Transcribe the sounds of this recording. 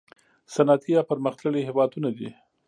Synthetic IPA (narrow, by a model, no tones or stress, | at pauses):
sanɑt̪ʰijɑwpəɾməxt̪ləɽiɦɪwɑd̪unad̪i